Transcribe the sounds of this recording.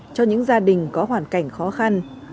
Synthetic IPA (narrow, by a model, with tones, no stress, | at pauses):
t͡ɕɔ˧ɲɨ̰˧˥ŋzaː˧ɗï˨˩ŋ̟kɔ˨˦hwaː˧˩nka˧˩jŋ̟xɔ˨˦xa˧n